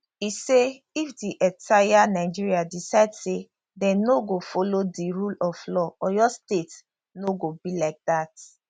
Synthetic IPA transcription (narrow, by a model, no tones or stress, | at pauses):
ise | ifdiʔɛ̃ntʰajanaɪd͡ʒiɹiadisadse | dɛ̃noɡofolodiɹulɔflɔɔjɔstet | noɡobilak̚dat